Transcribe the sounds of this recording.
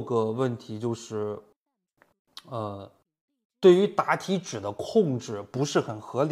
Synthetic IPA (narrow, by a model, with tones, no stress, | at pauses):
ɡə˧wə˥˩nt̪ʰi˧˥t͡ɕjo˥˧ʊʂɻ̩˥˩ | ə˧ | t̪we˥˩ɪy˧˥t̪a˧˥t̪ʰi˧˥ʈ͡ʂɻ̩˨˩d̪ə˦kʰʊ˥˧ŋʈ͡ʂɻ̩˥˩pu˧˥ʂɻ̩˥˩xə˨˩nxɤ˧˥l